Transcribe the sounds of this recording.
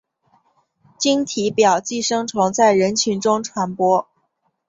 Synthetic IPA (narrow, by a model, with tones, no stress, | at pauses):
t͡ɕi˥ŋt̪ʰi˧˥pjɑ˨˩ʊt͡ɕi˥˩ʂɤ˥ŋt͡sʰʊ˧˥ŋt͡sa˥˩ɪɻə˧˥nt͡ɕʰy˧˥nʈ͡ʂʊ˥ŋʈ͡ʂʰwa˧˥npwɔ˥